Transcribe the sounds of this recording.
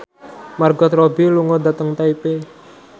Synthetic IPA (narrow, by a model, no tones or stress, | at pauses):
marɡɔt̪ɾɔbiluŋɔdat̪əŋt̪aipe